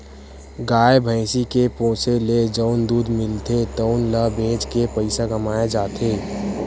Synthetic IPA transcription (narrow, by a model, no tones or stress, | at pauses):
ɡaːebʱəɪsikepõːseled͡ʒəːnd̪uːd̪mɪlt̪et̪əʊnləbẽːd͡ʒkepəɪsaɡɐmaːjad͡ʒaːt̪ʰeː